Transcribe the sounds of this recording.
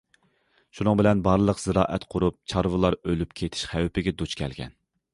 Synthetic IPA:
ʃunʊŋbɪlɛnbɑɾlˠəqz̥ɨɾɑːʔɛt̪qʰʊɾup̚t͡ʃʰɑɾvɨlˠɑɾølyp̚kʲʰet̪ʰɪ̥ʃχæwpʰɪɡʲɛd̪ut͡ʃkʲʰɛ̰lɡʲɛ̰n

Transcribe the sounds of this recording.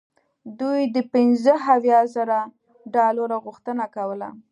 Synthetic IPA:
d̪ujd̪əpɪnzəɦawjɑzəɾa | ɖɑloɾaɣʊxt̪ənakawəla̰

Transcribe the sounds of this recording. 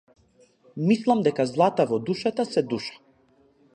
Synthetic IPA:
mislˠamd̪ɛkazlˠat̪avɔd̪uʃat̪asɛd̪uʃḁ

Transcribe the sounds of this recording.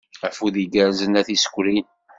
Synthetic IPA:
æfuðiɡæɾzənæθisə̥kʷːɾin

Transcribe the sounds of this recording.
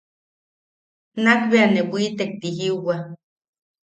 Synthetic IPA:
nak̚beanebʷiːt̪ek̚t̪iɦiuwa

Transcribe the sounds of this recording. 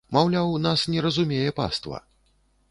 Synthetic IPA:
mawlʲawnasnʲɛɾɐzumʲɛjɛpa̰st̪vɐ̰

